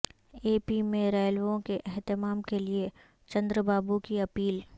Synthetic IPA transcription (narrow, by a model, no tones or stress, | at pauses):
eːpimẽɾɛːlʋõkeʔɛɦt̪ɪmaːmkelie | t͡ʃɐ̃nd̪ɾəbaːbukiɐpiːl